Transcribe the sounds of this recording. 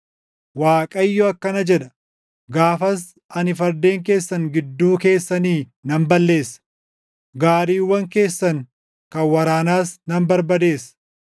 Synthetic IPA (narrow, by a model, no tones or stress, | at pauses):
waːkʼɐjːɔɐkːɐnɐd͡ʒɛᶑ̪ɐ | ɡaːfɐs | ɐnɪfɐɾd̪e̞ːŋk̬e̞ːsːɐŋɡɪd̪ːuːke̞ːsːɐniː | nɐmbɐlːe̞ːsːɐ̥ | ɡaːɾiːwːɐŋke̞ːsːɐŋ | kɐnwɐɾaːnaːsnɐmbɐɾbɐd̪e̞ːs